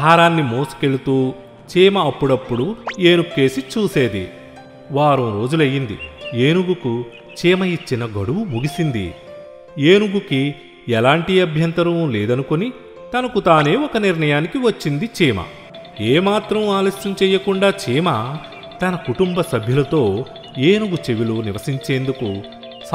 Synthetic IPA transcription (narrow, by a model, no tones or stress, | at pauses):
aːɾaːnːimoːsu̥ke̞ɭut̪uː | t͡ʃiːmɐːpːuɽɐpːuɽueːnukːeːsit͡ʃuːse̞ːd̪ḭ | ʋaːɾũɾo̞ːd͡ʒulɐjːind̪ḭeːnuɡuku | t͡ʃiːmɐit͡ʃːinɐɡɐɽuʋumuɡisind̪ḭ | eːnuɡuki | ɛlaːɳʈiɐbʱjɐnt̪ɐɾɐmlɛːd̪ɐnukoni | t̪ɐnɐkut̪aːne̞ːɔkɐniɾɳɐjaːnikiʋɐt͡ʃːind̪it͡ʃiːmɐ̰ | eːmaːt̪ɾɐmaːlɐsjɐmt͡ʃɛːjːɐkuɳɖaːt͡ʃiːmɐ | t̪ɐnɐkuʈumbɐsɐbʱjulɐt̪o̞ː | eːnuɡut͡ʃeʋiluniʋɐsiɲt͡ʃeːnd̪uku | s